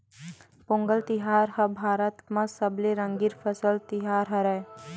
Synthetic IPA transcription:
põŋɡəlt̪ɪɦaːɾhɐbʱaːɾət̪mɐ̃sɐbleɾɐ̃ŋɡiɾpʰɐsəlt̪ɪɦaːɾɦɐɾɛ

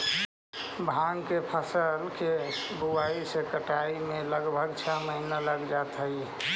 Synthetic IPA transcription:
bʱaŋkepʰəsəlke | buaisekəʈaimeləɡbʱəɡt͡ʃʰaməɦinaləɡd͡ʒat̪ɦəj

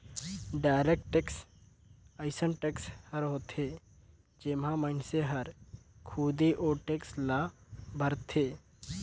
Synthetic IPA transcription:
ɖaːɪɾek̚ʈeks | əɪsənʈekshəɾɦoːt̪ʰe | d͡ʒemãməɪnseɦəɾkʰuːd̪iʔoːʈekslabʱəɾt̪ʰeː

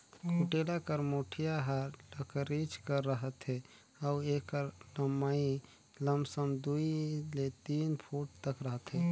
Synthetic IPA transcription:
kʰuʈelakəɾmoʈʰijaɦəɖəkəɾit͡ʃkəɾːəɦət̪ɦɛ | auekəɾləmai | ləmsəmd̪uilet̪inpʰuʈ̚t̪əkɾəɦət̪ɦe

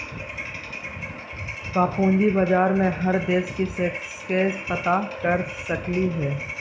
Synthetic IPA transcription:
kaːpõːnd͡ʒ̪ibad͡ʒaːɾmẽɦɐɾd̪eːʃkisekskepɐt̪akɐɾsɐkliɦɛː

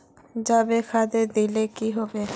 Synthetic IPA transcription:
d͡ʑabekʰad̪ed̪ilekiɦɔbe

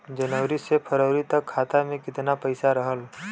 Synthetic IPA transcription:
d͡ʒənəwɾisepʰəɾəːɾit̪ɐkʰːaːt̪amẽkɪt̪napəɪsaɾəɦəl

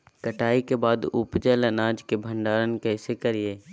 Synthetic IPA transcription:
kəʈaːikebaːd̪ʊpd͡ʒalɐnaːd͡ʒkebʱə̃ɳɖaːɾənkɛːsekɐɾieː

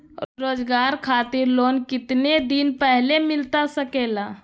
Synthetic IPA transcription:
ɾoːd͡ʒɡaːɾkʰaːt̪ɪɾloːnkɪt̪ned̪inpɛɦlemɪlt̪asəkela

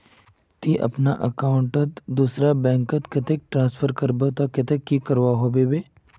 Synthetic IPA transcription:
t̪iʔɐ̰pnaʔəkaːʊ̃ɳʈət̪d̪usɾabɛ̃ːŋkət̪kɪt̪ek̚ʈɾãːnsfʰəɾkɐɾbot̪akɪt̪ekːikɐɾʋaɦobebeː

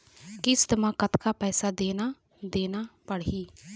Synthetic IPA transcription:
kɪst̪əmãːkət̪kaːpɛːsaːd̪eːnaː | d̪eːnaːpəɽiː

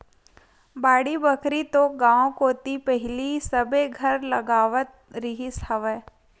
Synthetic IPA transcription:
baːɽibəkʰɾit̪oɡãːõkoːt̪ipɛɦɪlisɐbeɡʱɐɾlɐɡaːʋət̪̚ɾɪɦisɐʋɛ

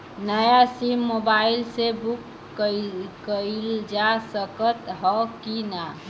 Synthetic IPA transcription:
nəjasimːobailsebukː | əkəɪld͡ʒasəkət̪ɦɔkina

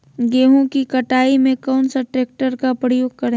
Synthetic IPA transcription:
ɡeːɦõkikɐʈaːimẽkɔːnsɐʈɾeːk̚ʈəɾkapɾəjoːɡ̚kɐɾẽ

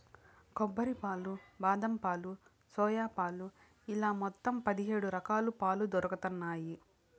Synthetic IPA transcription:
kɔbːɐɾipaːlubaːd̪ɐmpaːlu | sɔːjaːpaːlu | ilaːmɔt̪ːɐmpɐd̪iɦeːɽuɾɐkaːlupaːlud̪ɔɾɐkɐt̪ɐnːaːji

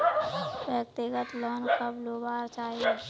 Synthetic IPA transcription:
ʋjək̚t̪ɪɡət̪lɔːnkəbloːbaːɾt͡ʃaːɦie

